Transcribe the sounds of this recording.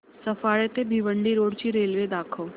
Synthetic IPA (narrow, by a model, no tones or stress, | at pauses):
səfaːɭet̪ebʱiʋəɳɖiɾoːɽt͡ɕiɾeːlʋed̪aːkʰoː